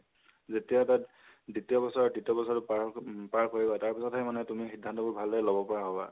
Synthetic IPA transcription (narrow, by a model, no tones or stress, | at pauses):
zetijatat | ditiɔbɔsɔɹaditiɔbɔsɔtʊppaɹkoɹibɔtaɹpisɔthɛmanɛtumixidʱːantɔbobʱalɛlobɔpɔɹaɦɔba̰